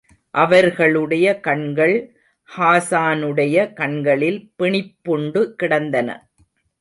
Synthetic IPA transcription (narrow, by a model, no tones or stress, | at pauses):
ʔɐʋɐɾɣɐɭɯɽɐjɐkɐɳɡɐɭ | haːsaːnɯɽɐjɐkɐɳɡɐɭɪlpɪɳɪpːʊɳɖɯkɪɽɐnd̪ɐnɐ̰